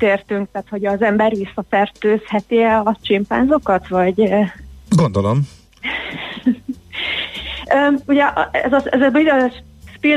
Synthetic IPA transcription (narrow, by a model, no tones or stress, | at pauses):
t̪eːrt̪yŋk̚t̪aːt̪ho̞ɟɒzɛmbɛrʋisːɒfɛrt̪øːshɛt̪iɛlɒt͡ʃimpa̰ːnzo̞kɒt̪ʋɒɟ | ɡond̪olom | øːuɟɛʔɛ̰zɒɛzɛbiʃ | spi